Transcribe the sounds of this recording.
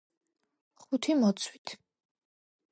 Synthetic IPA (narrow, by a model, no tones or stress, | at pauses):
χut̪ʰimɔt̪sʰwit̪ʰ